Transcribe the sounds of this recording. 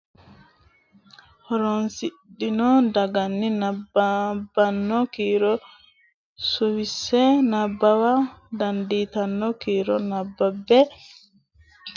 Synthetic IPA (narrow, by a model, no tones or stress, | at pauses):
hɔɾɔnsiɗːinɔdaɡanːinababanːɔkiɾɔ | suwisɛnabːawadanditanːɔkiːɾɔnabːabɛ